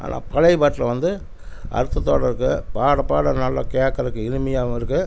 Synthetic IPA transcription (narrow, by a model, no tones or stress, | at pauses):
ʔa̰ːnʔa̰ːpɐlɐɪpaːʈːɪlɐʋɐnd̪ɯ | ʔɐ̰ɾɯt̪ːɐt̪ːo̰ːɽɐɾɯkːɯpaːɽɐpːaːɽɐnɐlːɐ̰keːkːɐɾɯkːɯɪɻɯmɪjaːɪɾɯkːɯ